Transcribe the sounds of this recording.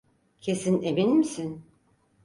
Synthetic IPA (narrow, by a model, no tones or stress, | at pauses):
cʰe̞sineminmisin